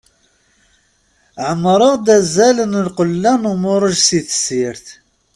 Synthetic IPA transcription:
ʕəmːɾˤəʁd̪æzælənəlqəlːænʊmʊɾˤəʒsiθə̥siɾθ

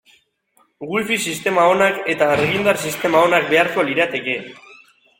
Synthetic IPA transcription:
ɣilfisist̪e̞mao̞nake̞t̪aːrɣind̪arsist̪e̞mao̞nak̚be̞aɾko̞liɾat̪e̞ke̞

